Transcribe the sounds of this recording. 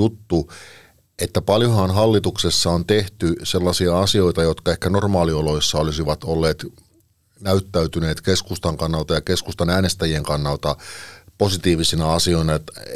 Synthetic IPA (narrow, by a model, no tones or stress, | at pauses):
ut̪ːu | et̪ːæpɑljohɑnɦɑlːit̪uksesːɑont̪eht̪yse̞lːɑsiɑɑsio̞it̪ɑjot̪kɑehkæno̞rmɑːlioloisːɑolisiʋɑt̪olːeːt̪ | næyt̪ːæyt̪yneːt̪keskust̪ɑŋkɑnːɑlt̪ɑjɑke̞skust̪ɑnæːnest̪æjieŋkɑnːɑlt̪ɑpo̞sit̪iːʋisinɑɑsioinɑt̪